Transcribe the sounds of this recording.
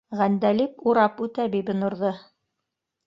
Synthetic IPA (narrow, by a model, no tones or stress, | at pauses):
ʁænd̪ælipuɾɑpʉt̪æbibɘ̆nŏɾðɤ